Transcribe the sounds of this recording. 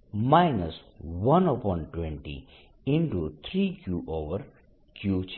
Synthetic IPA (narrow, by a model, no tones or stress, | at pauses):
maɪnəsʋʌ̃nɔpɔ̃ːnʈwɛ̃ɳʈḭ | ɪ̃ɳʈut̪ʰɾiːkʰjuʔoːʋəɾ | kʰjuːt͡ʃ